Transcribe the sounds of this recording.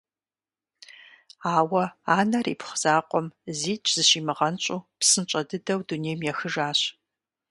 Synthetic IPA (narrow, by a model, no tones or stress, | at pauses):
aːwɐaːnɐrḭːpχz̥aːqʷɔmziːt͡ʃʼʰz̥ɨɕiːmɨʁɐnt͡ʃʼuːpsɨnt͡ʃʼɐdɨdɐwduneːjmjɛxɨʒaːɕ